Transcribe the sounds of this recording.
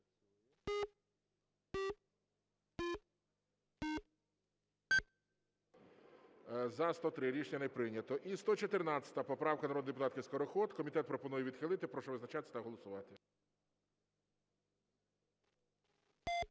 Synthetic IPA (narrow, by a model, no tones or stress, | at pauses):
zɐst̪ɔt̪ɾɪɾʲit͡ʃnʲɐnepɾɪnʲːɐt̪ɔʔist̪ɔt͡ʃɔt̪ernɑt͡sʲɐ̥t̪ɐpɔpɾɑwkɐnɐɾɔd̪nɪd̪epʊt̪ɑt̪kɪskɔɾɔxɔt̪kɔmʲit̪ɛt̪̚pɾɔpɔnujɛʋʲid̪xɪlˠɪt̪ɪpɾɔʃɔʋɪznɐt͡ʃɑt̪ɪsʲɐt̪ɐɦɔlˠɔsʊʋɑt̪ɪ